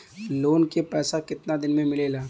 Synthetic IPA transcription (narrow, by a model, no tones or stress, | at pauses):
loːnkepɛːsakɪt̪nad̪ɪnmẽmɪleːlaː